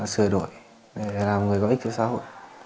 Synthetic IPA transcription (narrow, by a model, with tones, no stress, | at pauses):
sɨ˨˧˩əɗo̰˧˨j | ɗe˨˧˩laː˨˩mŋɨ˨əjɔ˧˨ʔi˦t͡ɕɨ˧˨sa̰ː˧˥ɦo̰˧˨j